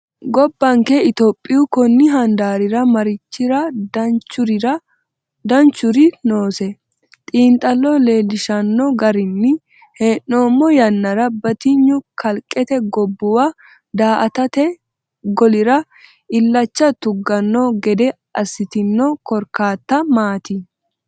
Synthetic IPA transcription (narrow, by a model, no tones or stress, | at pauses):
ɡɔbːɐŋkɛɪt̪oːpʼːɪjʊkɔnːɪɦɐnd̪aːɾɪɾɐmɐɾɪt͡ʃːɪɾɐt͡ʃʊɾɐ | d̪ɐnt͡ʃːʊɾɪno̞ːsɛ | t̪ʼiːnt̪ʼːɐlːɔle̞ːlːɪʃɐnːɔɡɐɾɪnːɪ | heːnːoːmːɔjɐnːɐɾɐbɐt̪ɪɲːʊkʰɐlkʼːɛt̪ɛɡɔbːʊwa | d̪aːʔɐt̪ɐt̪ɛ | ɡɔlɪɾɐ | ɪlːɐt͡ʃːɐt̪ʊɡːɐnːɔɡɛd̪ɛ | ɐsːɪt̪ɪnːɔkɔɾkaːt̪ːɐmaːt̪ɪ